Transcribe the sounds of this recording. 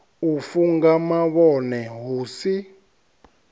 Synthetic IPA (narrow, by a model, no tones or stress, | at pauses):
ufuŋɡamaβɔnɛɦuːsi